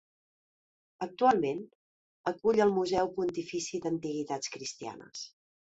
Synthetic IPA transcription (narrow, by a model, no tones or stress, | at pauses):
ək̚t̪ualˠmen | əkuʎəlˠmuzɛwpunt̪ifisid̪ənt̪iɣ̞it̪at͡skɾist̪ia̰nə̰s